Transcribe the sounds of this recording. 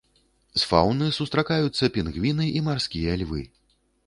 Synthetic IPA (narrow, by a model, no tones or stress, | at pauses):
sfa̰wnɨsust̪ɾakajut̪sːɐpʲinɣvʲinɨimarsʲkʲijɐlʲvɨ̰